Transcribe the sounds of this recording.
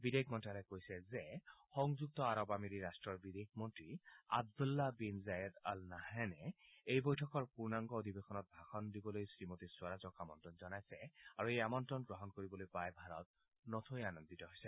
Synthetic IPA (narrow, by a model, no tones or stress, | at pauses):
bid̪ekʰmɔntalɛkojsɛzɛxɔŋzuk̚t̪ɔaɹɔbamiɾiɹastɹɔɹbid̪ekʰmɔntɹia̰b̚d̪ulːabinzajɛd̪a̰lnahɛnɛejbojtʰɔkɔɹpuɹnaŋɡɔod̪ʱibexʰɔnɔt̚bʱaxɔndibɔlojsɹimot̪iswaɹazɔkamɔntɹɔnzɔnajsɛaɹuejamɔntɹɔnɡɹɔɦɔnkoɹibɔlojpajbʱaɹɔt̪̚ | nɔt̪ʰojanɔnd̪itɔɦojsɛ